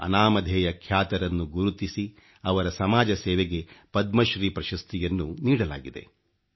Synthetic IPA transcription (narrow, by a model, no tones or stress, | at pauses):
ɐ̰naːmɐd̪ʱɛːjɐkʰjaːt̪ɐɾɐnːuɡuɾut̪isi | ɐʋɐɾɐsɐmaːd͡ʒɐsɛːʋeɡe̞pɐd̪mɐʃɾiːpɾɐʃɐst̪ʰijɐnːuniːɽɐla̰ːɡid̪e̞̰